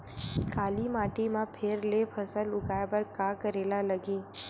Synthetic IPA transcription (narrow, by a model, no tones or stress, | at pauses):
kaːlimaːʈimãpʰeɾlepʰɐsəlʊɡaːjbəɾkaːkəɾeːlalɐɡiː